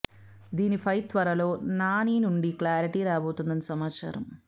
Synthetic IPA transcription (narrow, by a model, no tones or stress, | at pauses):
d̪iːnipʰɐjt̪ʋɐɾɐlo̞ːnaːniːnuɳɖiklaːɾiʈiɾaːboːt̪und̪ɐnisɐmaːt͡ʃa̰ːɾɐm